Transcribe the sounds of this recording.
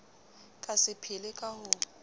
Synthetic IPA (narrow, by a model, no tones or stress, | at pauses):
kʼasɪpʰɪlɪkʼahʊ